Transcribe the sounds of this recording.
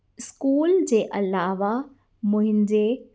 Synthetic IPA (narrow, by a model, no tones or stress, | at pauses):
ɪskuːld͡ʑeːʔɐlaːʋa | mʊ̃ɦɪ̃ɲd͡ʑeː